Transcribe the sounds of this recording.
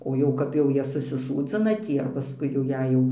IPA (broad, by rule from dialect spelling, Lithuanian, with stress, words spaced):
oː ˈjɛʊ kɐp jɛʊ ˈjiɛ sʊsʲɪˈsuːd͡zʲɪnɐ ˈtʲiː ɐr pɐˈskʊɪ jɛʊ ˈjɛɪ jɛʊ